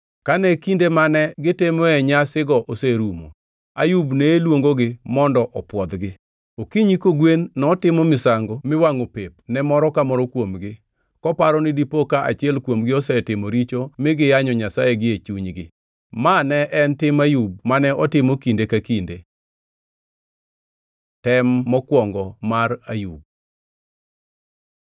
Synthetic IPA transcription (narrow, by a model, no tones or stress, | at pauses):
kanɛkindemanɛɡɪtɪmɔɛɲasɪɡɔʔoseɾumo̰ | ajubneːlwoŋɡoɡɪmɔndɔʔɔpwɔd̪ɡɪ | okiɲikoɡwenːɔtɪmɔmɪsaŋɡomɪwaŋopep̚nɛmɔɾɔkamɔɾɔkwomɡɪ | kɔpaɾɔnɪdipokaʔa̰t͡ʃɪɛlkwomɡɪɔsɛtɪmoɾit͡ʃomɪɡɪjaɲɔɲasajeɡɪet͡ʃuɲɡɪ | manɛʔɛntɪmajub̚manɛɔtɪmokindekakinde | tɛmːɔkwɔŋɡɔmarajub̚